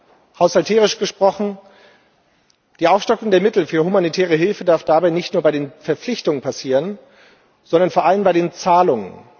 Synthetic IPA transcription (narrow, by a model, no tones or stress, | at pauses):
haʊshaltʰɛːʁ̞ɪʃɡ̥əʃpʁ̥ɔχn̩ | d̥iːʔaʊfʃtɔkʊŋdeːɐmɪtl̩fyːɐhumanitʰɛːʁəɦɪlfədaɐfd̥abaɪnɪçtnuːɐbaɪdeːnfɛɐp͡flɪçtʊŋənpʰasiːʁən | z̥ɔndɐnfoɐʔaləmbaɪɾeːnt͡saːlʊŋə̰n